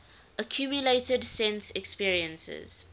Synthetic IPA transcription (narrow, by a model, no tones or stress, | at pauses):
əkʰj̥uːmjʊleɪtədsɛ̃nsɛkspiəɹiə̃nsɪ̰z̥